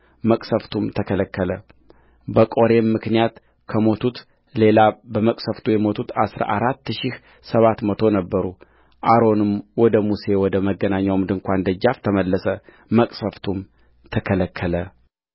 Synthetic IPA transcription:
məkʼsəft̪ʰumt̪ʰəkʰələkːələ | bəkʼo̞ɾe̞mːɨknijat̪ | kʰəmo̞t̪ʰut̪ | le̞labəməkʼsəft̪ʰujɛmo̞t̪ʰut̪a̰sɾa̰ʔaɾat̪ːʃih | səβat̪mət̪ʰo̞nəbːəɾu | ʔaɾo̞nɨmwɔd̪əmuse̞wɔd̪əməɡːənaɲːawmd̪ɨŋkʷʰand̪əd͡ʒːaft̪ʰəməlːəsə | məkʼsəft̪ʰum | t̪ʰəkʰələkʰːələ

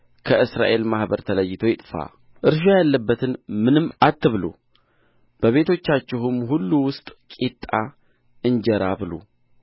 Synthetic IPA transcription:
kʰəʔɨsɾa̰ʔe̞lmahbəɾt̪ʰələjːɪt̪ʰo̞jɪt̪ʼfa̰ | ʔɨɾʃ̬ojalːəbːət̪ʰɨnmɨnɨmːat̪ːɨβlo̰ | b̥əβe̞t̪ʰo̞t͡ʃːat͡ʃːɪɦʊmɦulːuwʊst̪ʼkʼit̪ʼːa | ʔɨnd͡ʒɛɾabɨlo̰

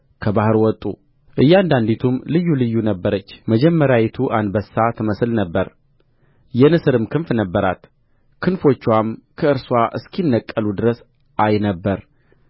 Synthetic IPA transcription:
kʰəbahɨɾwɔt̪ʼu | ʔɨjːand̪and̪it̪ʰumlɨjːulɨjːunəbːəɾət͡ʃːməd͡ʒɛmːəɾjajɛt̪ʰuʔanbəsːat̪ʰəməslnəbːəɾ | jɛnɨsɨɾɨmkʰɨnfnəbːəɾa̰t̪ | kʰɨnfo̞t͡ʃːwamkʰəɨɾswaʔɨ̰skinːəkʼːəlud̪ɨɾəs | ʔajnəbːəɾ

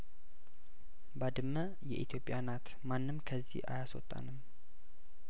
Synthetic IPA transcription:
bad̪ɨmːə | jɛʔit̪ʰjo̞pʼɪjanat̪ | manːɨmkʰəzːḭhʔa̰jaswɔ̰t̪ʼːa̰nɨm

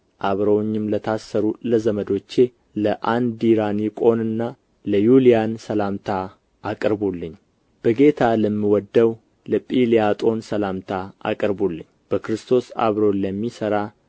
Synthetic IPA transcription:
ʔaβɾəwɲːɪmlət̪ʰasːəɾuləzəməd̪o̞t͡ʃːe̞ | ləʔand̪iɾanjɪkʼo̞nɨnːa | ləjulijansəlamt̪ʰa | akʼəɾbulːɨɲː | b̥əɡe̞t̪ʰaləmːiwɔd̪ːəw | ləpʼiliat̪ʼo̞nsəlamt̪ʰaa̰kʼəɾbolːɨɲːb̥əkɾɨst̪ʰo̞sa̰βɾo̞ləmːisəɾa

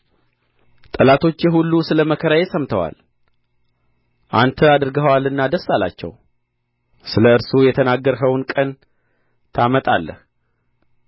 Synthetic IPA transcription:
t̪ʼəlat̪ʰo̞t͡ʃːjɛɦulːusɨləməkʰəɾajesəmt̪ʰəwa̰l | ʔa̰nt̪ʰəad̪ɨɾɡəwalɨnːad̪əsːala̰t͡ʃːɛ̰w | sɨləɨɾsujɛt̪ʰənaɡːəɾɦəwnkʼən | t̪ʰamət̪ʼa̰lːə̰h

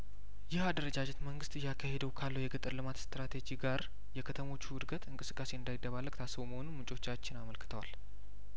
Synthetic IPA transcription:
jɪhad̪əɾəd͡ʒad͡ʒɛt̪məŋɡɨst̪ɨjakʰːahe̞d̪əwkʰalːəwjɛɡɨt̪ʼɨɾlɨmat̪st̪ɾat̪ʰe̞d͡ʒiɡaɾ | jɛkʰət̪ʰəmo̞t͡ʃːuwʊd̪ɡət̪ɨŋkʼɨsɨkʼːase̞ɨnd̪ajd̪ːəβalːəɡt̪ʰasːɨβoməho̞numɨt͡ʃʼo̞t͡ʃːat͡ʃːɪnaməlkɨ̥t̪ʰəwal

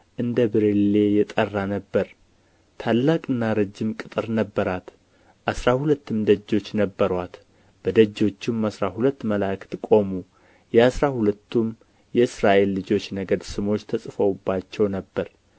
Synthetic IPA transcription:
ʔɨnd̪əbɨɾele̞jɛt̪ʼərːanəbːəɾ | t̪ʰalːakʼɨnːaɾəd͡ʒːɪmkʼɨt̪ʼɨɾnəbːəɾat̪ | ʔasɾahulət̪ːɨmd̪əd͡ʒːo̞t͡ʃːnəbːəɾwat̪ | b̥əd̪əd͡ʒːo̞t͡ʃːɪmasɾahulət̪ːməlakʰɨ̥t̪kʼo̞mu | jɛasɾahulət̪ːum | jɛɨsɾaʔe̞lːɨd͡ʒo̞t͡ʃːnəɡəd̪sɨmo̞t͡ʃːt̪ʰəsʼɨfəwbːat͡ʃːɛwnəbːəɾ

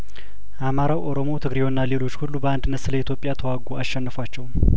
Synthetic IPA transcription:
ʔamaɾawʔo̞ɾo̞mo̞t̪ʰɨɡɾewnːale̞lo̞t͡ʃːhulːubəand̪ɨnːət̪sɨləit̪jo̞pʼjat̪ʰəwaɡoaʃːɛnːɨfwat͡ʃːɛw

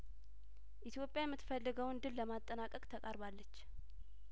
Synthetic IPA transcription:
ʔit̪ʰjo̞pʼjajɛmːɨt̪fəlːɨɡəwɨnd̪ɨlːəmat̪ʼːənakʼəkʼt̪ʰəkʼaɾbalːət͡ʃː

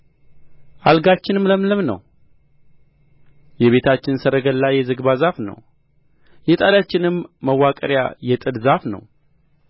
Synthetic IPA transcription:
ʔalɡat͡ʃːɪnɨmləmləmnə̰w | jɛβe̞t̪ʰat͡ʃːɪnsəɾəɡəlːajɛzɨɡbazafnə̰w | jɛt̪ʼad̪at͡ʃːɪnɨmːəwːakʼəɾja̰jɛt̪ʼɨd̪zafnə̰w

